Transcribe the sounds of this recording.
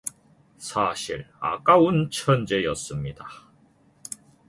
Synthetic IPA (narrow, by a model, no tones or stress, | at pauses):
sʰaɕʰiɾa̰k͈aunt͡ɕʰʌnd͡ʑe̞jʌs͈ɯmɲid̥a